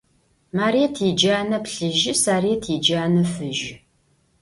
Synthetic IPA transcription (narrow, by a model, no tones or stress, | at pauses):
maːɾiɛtʰid͡ʒaːnɐpɬɨʒɪsaːritʰid͡ʒaːnɐfɨʒ